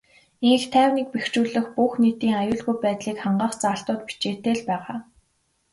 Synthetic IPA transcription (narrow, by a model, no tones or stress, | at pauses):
iŋɘ̆xt̪ʰæːwnik̚pext͡ɕuːɮɘ̆xpuːxniːt̪iːŋajʊːɮɣujpæːt̪ɮiːkχaɴɢaːχt͡saːɬt̪ʊːt̪pi̥t͡ɕeːt̪eːɮpæːʁaː